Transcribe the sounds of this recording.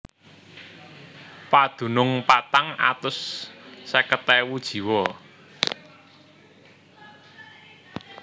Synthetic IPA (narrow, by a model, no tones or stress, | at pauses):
pad̪̥ṳnʊŋpat̪aŋa̰t̪ʊsː | əkət̪ɛwud̥ʒ̥i̤wɔ